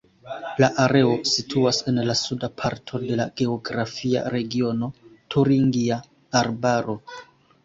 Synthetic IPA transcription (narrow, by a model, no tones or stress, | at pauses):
laʔaɾe̞o̞sitʰuase̞nlasudapʰaɾtʰo̞de̞la̰ɡe̞oɡɾafia̰ɾe̞ɡio̞no̞tʰuɾiŋɡia | aɾbaɾo̞